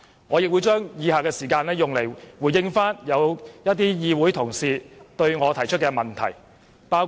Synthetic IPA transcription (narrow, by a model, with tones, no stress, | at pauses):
ŋɔː˨˧jɪ˨k̚wu˨˧jt͡ʃœː˥ŋjiː˨˧haː˨kɛː˧siː˨˩kaː˧nlɛː˥jʊ˨ŋle˨˩jwuː˨˩jːɪ˧˥ŋfaː˥njɐ˨˧wjɐ˥t̚t̪iː˥jiː˧wuː˨˥jt̪ʰʊ˨˩ŋsiː˨t̪ɵ˧ɥŋɔː˨˧t̪ʰɐ˨˩jt͡ʃʰɵ˥t̚kɛː˧mɐ˨˩nt̪ʰɐ̰˨˩j | paː˥w